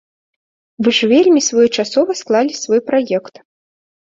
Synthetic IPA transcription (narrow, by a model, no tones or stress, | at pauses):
vɨʐvʲelʲmʲisvɔjɛt͡ʂasɔvɐsklˠalʲisvɔjpɾajɛkt̪